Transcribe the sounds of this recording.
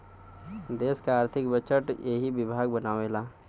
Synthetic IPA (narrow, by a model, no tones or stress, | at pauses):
d̪eːskaaːɾt̪ʰɪkbət͡ʃəʈjeɦibɪbʱaːɡbɐnaːʋeːlaː